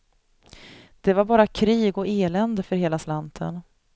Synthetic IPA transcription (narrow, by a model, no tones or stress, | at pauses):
d̪̥ɛvaɾbɑːɾakʰɾiːɡɔeːlɛnd̪əfœɾheːlaslant̪ʰə̰n